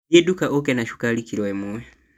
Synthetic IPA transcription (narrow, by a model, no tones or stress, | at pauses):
ɛdukaʔɔkɛnaʃu̥kalikiɾɔɛmuɛ